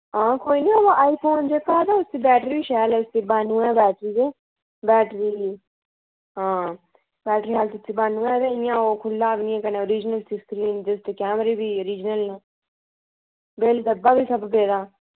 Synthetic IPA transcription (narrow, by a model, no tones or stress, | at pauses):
ãːkoːiːniːoːbaːʔaːiːpʰoːnd͡ʒekaːt̪aːʊst̪ebɛːʈɾiːbiːʃɛːlɛʊst̪ebaːnũːɛ̃ːbɛːʈɾiːd̪eː | bɛːʈɾiː | ɦãː | bɛːʈɾiːɦaːlt̪ɪt̪ʰːibaːnũːɛ̃ːd̪əɪjãːoːkʰʊlːaːʋnĩɛ̃ːkənẽoːɾiːd͡ʒnəlsiskɾiːnd̪est̪eːkɛːmɾeːbiːoːɾiːd͡ʒnəlnaː | beːld̪əbaːbiːsəbbeːɾaː